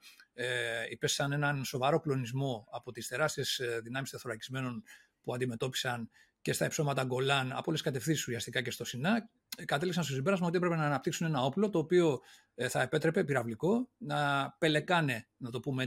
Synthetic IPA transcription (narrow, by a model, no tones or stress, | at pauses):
ipe̞ssɐne̞nɐnso̞vɐɾo̞klo̞nizmo̞ɐpo̞t̪ist̪e̞ɾɐst̪ie̞sðinɐmist̪iɐθoɾɐcizme̞no̞n | puɐnd̪ime̞t̪o̞pi̥sɐn | ce̞st̪ɐe̞pso̞mɐt̪ɐɡo̞lɐnɐ̰poleskɐt̪e̞fθisisusiɐst̪ikɐce̞st̪o̞sinɐ | kɐt̪e̞liksɐnstosibeɾɐzmɐot̪iepɾpe̞nɐːnɐp̚t̪iksune̞nɐo̞plo̞t̪o̞ːpio̞ | θɐepe̞t̪ɾe̞pe̞piɾɐvliko̞nɐpe̞le̞kɐne̞nɐt̪o̞pume